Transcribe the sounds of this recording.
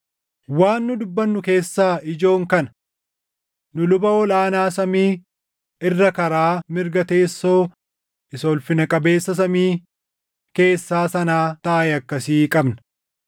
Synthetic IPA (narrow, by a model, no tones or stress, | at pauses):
waːnːʊd̪ʊbːɐnːʊke̞ːsːaːɪd͡ʒo̞ːŋkɐnɐ̥ | nʊlʊbɐɔlaːnaːsɐmiː | ɪrːɐkɐɾaːmɪɾɡɐt̪e̞ːsːo̞ː | ʔɪsoːlfɪnɐkʼɐbe̞ːsːɐsɐmiː | ke̞ːsːaːsɐnaːt̪ɐʔɐjɐkːɐsiːkʼɐbnɐ̥